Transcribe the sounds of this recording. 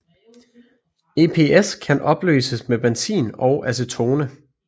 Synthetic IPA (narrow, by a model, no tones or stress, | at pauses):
e̝ːpʰe̝eskʰænʔɒ̽b̥lø̰ːsəsmeb̥ensḭːnɒ̽ʊʔæs̬ət͡sʰo̝ːnə